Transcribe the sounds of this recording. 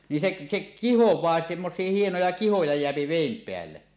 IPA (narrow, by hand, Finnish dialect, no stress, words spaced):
ni sek sek kihowˑɑː semːosˑie hienojɑ kihojɑ jeæpi ʋeˑim peælːe